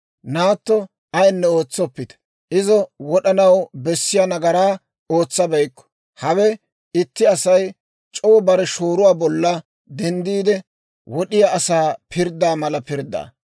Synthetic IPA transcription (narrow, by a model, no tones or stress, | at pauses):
naːt̪ːɔ | ɐjnːɛo̞ːt͡sːɔpːɪt̪ɐ̥ | ʔɪzɔwɔɗɐnɐwbɛsːɪjanɐɡɐɾaː | o̞ːt͡sːɐbɐjkːɔ̥ | hɐwɛ | ɪt̪ːɪɐsɐj | t͡ʃʼɔwɔbɐɾɛʃoːɾʊwaːbɔlːɐ | d̪ɛnd̪iːd̪ɛ | wɔɗɪjaɐsaːpʰɪɾd̪aːmɐlɐpɪɾd̪ːa̰ː